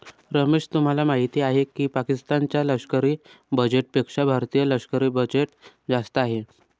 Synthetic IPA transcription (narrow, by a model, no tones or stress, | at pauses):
ɾəmeʂt̪um̤alamaɦit̪iːaɦekiːpakist̪ant͡ɕjaləkʂkəɾiː | bəd͡ʑeʈ̚pekʂabʱaɾt̪ijələkʂkəɾiːbəd͡ʑeʈ | d͡zast̪əaɦe